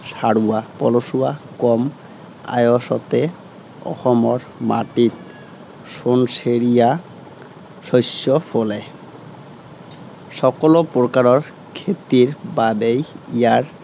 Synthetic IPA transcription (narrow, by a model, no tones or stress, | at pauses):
ʃaɽuapɔloʃuakɔm | a̰joʃɔt̪e | ɔ̰hɔmoɾ | maʈit̪ | ʃonʃeɾija | ʃojʃːofole | ʃɔkolopoɾkaɾoɾ | kʰet̪iɾbabejiaɾ